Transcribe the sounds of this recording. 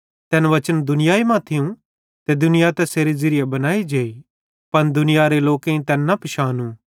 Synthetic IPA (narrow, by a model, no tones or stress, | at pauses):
t̪ɛːnʋɐt͡ʃənd̪ʊnɪjaːimãt̪ʰɪũ | t̪ed̪ʊnɪjat̪ɛseːɾezɪɾɪjabɐnaːid͡ʒeːi | pɐnd̪ʊnɪjaɾeloːkẽĩt̪ɛːnːɐpɪʃaːnũː